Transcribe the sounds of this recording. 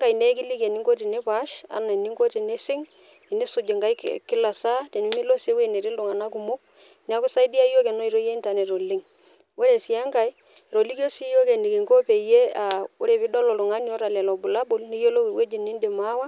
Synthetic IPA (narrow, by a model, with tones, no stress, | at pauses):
ŋɡa˨jne˦kɪ˦li˦ke˨nɪ˦ŋɡo˦t̬i˨ne˦pa˦ʃa̰˨˦na˨nɪ˦ŋɡo˦ti˨ne˦sɪ˦ŋ˨ | nɪ˦sʊ˨d͡ʒɪ˨ŋɡa˦jkkɪ˦la˨sa˦te˨mi˦mi˦lo˦si˦we˦˨ne˨ɾɪ˦lʊ˨ŋa˨na˦ku˨mʊ˦k̚ | ni˦a˦kʊ˦sa˦i˦di˦a˦jo˦ke˨nɔ˦i˨ɾo˦je˦i˦nta˨ne˨ɾo˨lɪ˦ŋ | wo˦ɾe˨sɪ˨a˦ŋka˨j | ɾo˨li˦ko˦si˦jo˦ke˨ni˨ki˨ŋko˦pe˨je˦a˨wo˦ɾe˨pɪ˦dɔ˦lɔ˨lʊ˨ŋa˦ni˦o˦ɾa˨lɛ˨lɔ˨bu˨la˦bʊ˦˨lni˦jo˦lo˦wi˨we˦d͡ʒi˨ni˦nde˨ma˦wa˦